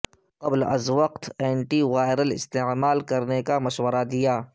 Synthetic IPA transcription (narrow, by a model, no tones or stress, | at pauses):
qɐblɐ̰zwɐqt̪ɛːɳʈiʋaːɪɾəlɪ̰st̪eːmaːlkɐɾnekamɐʃwəɾad̪ɪjaː